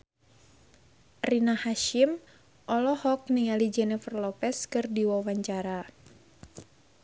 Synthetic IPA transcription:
rinahaʃim | ʔɔlɔhɔk̚niŋalid͡ʒɛnɛfərlɔpɛskɨrdiwawaɲt͡ʃaɾa

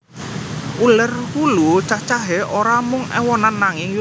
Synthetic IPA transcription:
ʔulərhulut͡ʃat͡ʃaɦeʔoɾamʊŋʔɛ̰wɔnanːaŋɪŋju

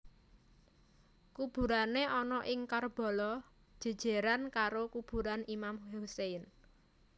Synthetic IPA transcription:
kub̥ṳɾaneʔɔnɔʔɪŋkarb̥ɔ̤lɔ̥ | ʒ̥e̤d̥ʒ̥e̤ɾankaɾokub̥ṳɾanimamhusen

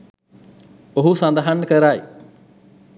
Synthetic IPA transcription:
oɦusãːnd̪aɦənkəɾaːḛː

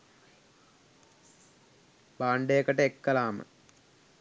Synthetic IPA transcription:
baːɳɖejəkɐʈəekːɐlaːmə̰

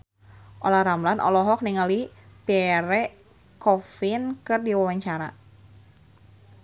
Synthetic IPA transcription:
ʔolahɾamlanʔɔ̰lɔɦɔk̚niŋalipeɾɛ | kɔfɪnkɨrdiwawaɲt͡ʃaɾa̰

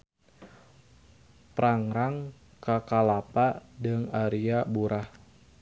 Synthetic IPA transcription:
pɾaŋɾaŋ | kakalapadəŋaɾiabuɾʔah

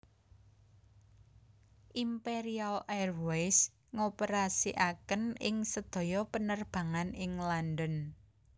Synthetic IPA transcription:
ʔimpeɾialʔɛrwejs | ŋopəɾasiʔakənɪŋsəd̪̥ɔ̤jɔpənərb̥a̤ŋanɪŋlandən

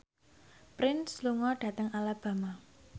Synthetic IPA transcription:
pɾɪnsluŋɔɖ̥ä̤t̪əŋalab̥ä̤ma

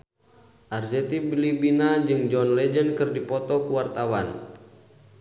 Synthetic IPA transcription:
ʔarzɛt̪ibilibinad͡ʒɨŋd͡ʒɔnlɛd͡ʒənkɨrdipɔt̪ɔkuwart̪awan

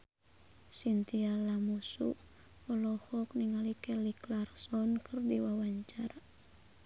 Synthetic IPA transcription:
sint̪ialamusṵ | ɔlɔhɔk̚niŋalikɛliklarsɔnkʰɨrdiwawaɲt͡ʃara

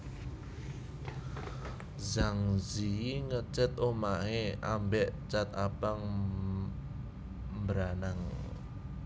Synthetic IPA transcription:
zaŋziŋət͡ʃɪt̪omaɦeambɛʔt͡ʃat̪ab̥aŋ | mbɾanaŋ

